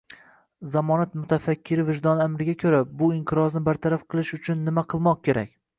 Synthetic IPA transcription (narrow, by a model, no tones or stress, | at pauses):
zamɒnat̪mʊt̪ʰafakʲːɪɾɪvɪʒd̪ɒnamɾɪɡʲakʲʰɵɾabʊɪɴqʰɨɾɒznɪbaɾt̪ʰaɾafqʰɨlˠɪʃʊt͡ʃʰʊnːɪmaqʰɨlˠmɒq̚kʲe̞ɾa̰kʲ